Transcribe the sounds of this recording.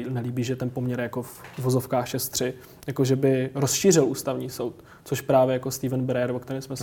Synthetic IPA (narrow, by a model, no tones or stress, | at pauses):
nɛliːbiːʒɛt̪ɛnpo̞mɲɛɾjako̞fuvozofkaːxʃɛst̪r̝̥ɪ | jakoʒɛbɪɾosʃiːr̝ɪlʔuːst̪avɲiːso̞wt̪ | t͡soʃpɾaːvjɛjako̞st̪iːvɛnbɛɾɛɛɾvokt̪ɛɾɛsmɛs